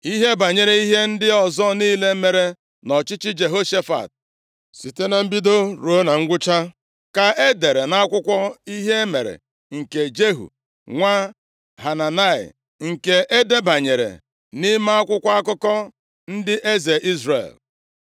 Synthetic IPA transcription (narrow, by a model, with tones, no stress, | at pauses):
i˦ɦe˦ba˨ɲe˨ɾe˨i˦ɦe˦n̩˦dɪ˦ɔ˨zɔ˦niː˦le˦me˨ɾe˦ | nɔ˨t͡ʃɪ˦t͡ʃɪ˦d͡ʒe˨ɦo˦ʃe˦fa̰˨t̚ | si˨te˦na˨m̩˦bi˦do˦ɾu˨o˦na˨ŋ̩˦ɡʷʊ˦t͡ʃa˦ | ka˨ʔe˦de˨ɾe˨na˦a˦kʷʊ˦kʷɔ˦i˦ɦe˦me˨ɾḛ˨ | ŋ̩˨ke˨d͡ʒe˦ɦṵ˨ | ŋʷa˦ | ɦa˨na˨na˦˨ɪ̰˨ | ŋ̩˨ke˨ʔe˦de˦ba˨ɲe˨ɾḛ˨ | ni˦ma˦a˦kʷʊ˦kʷa˦a˦kʊ˦kɔ˦ | n̩˦dɪ˦ʔe˦ze˨ʔi˦zɾḛ˨l